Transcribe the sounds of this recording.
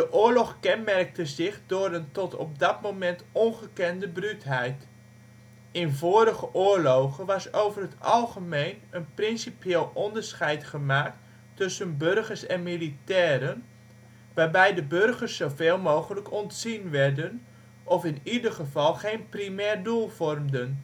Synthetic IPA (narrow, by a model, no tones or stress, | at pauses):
dəʔʊːɹlɔχkɛnmɛrk̚təzɪχdʊːɾəntɔtɔ̰p̚dɑtmowmɛntɔnχəkɛndəbrytɦɛjt | ɪnvoːɾəɣəʔʊːɹlowχənʋɑsowvərɦətɑlˠχəmejnənprɪnsipjeːlˠɔndəɹsχɛjtχəmaːk̚t | tːɵsənbørχərsɛnmilitɛːɾən | ʋaːrbɛjdəbørɣərsːowveːlˠmowχələkɔntsinʋɛrdən | ʔɔfɪnidərχəvɑlˠχejnprimɛːrdulˠv̥ɔrmdən